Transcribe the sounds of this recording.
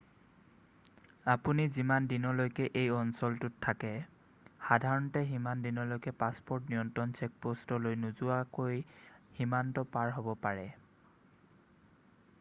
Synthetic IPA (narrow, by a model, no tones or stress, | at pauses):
apunizimandinɔlojkɛʔejɔnsɔltʊtʰːakɛ | xadʱaɹɔntɛɦimandinɔlojkɛpaspɔɹtniɔntɔnt͡ʃek̚postɔlojnuzʊakojhimantɔpaɹɦobɔpaɹɛ